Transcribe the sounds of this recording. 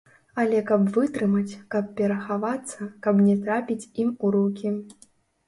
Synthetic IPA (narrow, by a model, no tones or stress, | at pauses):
ɐlʲɛkɐbvɨt̪ɾɨmɐt͡sʲkɐp̚ːʲɛɾɐxavat̪sːɐkɐbnʲɛt̪ɾapʲit͡sʲimuɾukʲi